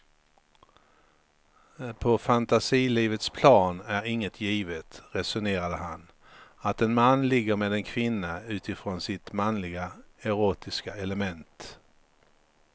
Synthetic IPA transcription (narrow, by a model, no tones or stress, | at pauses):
pʰɔfant̪asiːliːvət̪spʰlɑːnæɾɪŋːət̪ʰjiːvət̪ɾɛsʊneːɾad̪əɦan | at̪ɛnmanːlɪɡːəɾmeːd̪ɛnkʰvɪnːaʉ̟ːt̪ɪfɾoːnsɪt̪manlɪɡaɛɾoːt̪ɪskaɛləmɛnt̪